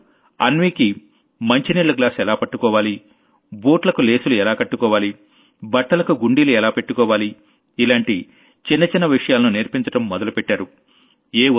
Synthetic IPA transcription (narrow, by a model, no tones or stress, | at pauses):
ɐ̰nʋiːki | mɐɲt͡ʃiniːɭlːɐɡlaːsɛlaːpɐʈːukɔːʋaːli | boːʈlɐkule̞ːsuluɛlaːkɐʈːukɔːʋaːli | bɐʈːɐlɐkuɡuɳɖiːluɛlaːpe̞ʈːukɔːʋaːliː | laːɳʈi | t͡ʃinːɐt͡ʃinːɐʋiʂɐjaːlɐnuneɾpiɲt͡ʃɐʈɐmːɔd̪ɐlupeʈːaːɾu | eː